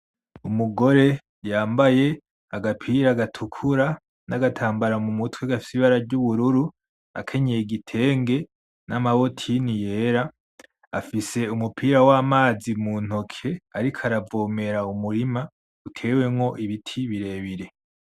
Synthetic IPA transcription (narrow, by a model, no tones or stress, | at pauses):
umuɡo̞ɾe̞ | jaːmbaje̞ | aɡapʰiːɾaɡatʰukʰuɾa | naɡatʰaːmbaɾamumutweɡafi̥siβaɾaɾɟuβuɾuɾu | a̰kʰe̞ɲejeɡitʰe̞ːŋɡe̞ | namaβo̞tʰinije̞ɾa | a̰fise̞umupʰiːɾawaːmaːzimun̥o̞kʰe̞aɾikʰaɾavoːme̞ɾaumuɾima | utʰe̞ːwe̞mŋo̞ʔiβitʰiβiɾe̞ːβiɾe̞